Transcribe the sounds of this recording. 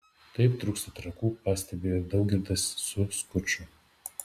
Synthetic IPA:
t̪ɐɪpt̪ɾʊkst̪ɐt̪ɾɐkuːpɑːsʲt̪ʲɛbʲeːɾd̪ɒʊk̚ɡʲɪɾd̪ɐsʊskʊt͡ʃʲʊ

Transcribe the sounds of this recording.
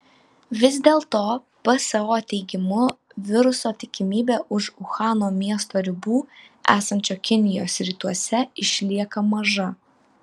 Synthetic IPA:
ʋʲɪzʲd̪ʲeːlˠt̪oː | pɐsɐʋoːt̪ʲɛɪɡʲɪmʊ | ʋʲɪɾʊsoːt̪ʲɪkʲɪmʲiːbʲeːʔʊʃʊxɑːnoːmʲiɛst̪oːɾʲɪbuː | æ̰ːsɐnʲt͡ʃʲoːkʲɪnʲɪjoːsɾʲiːt̪uɔsʲɛɪʃʲlʲiɛkɐmɐʒɐ

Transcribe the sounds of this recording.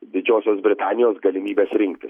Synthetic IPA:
d̪ʲɪd͡ʒʲoːsʲoːsbʲɾʲɪt̪ɑːnʲɪjoːsɡɐlʲɪmʲiːbʲeːsɾʲɪŋkt̪ʲɪs

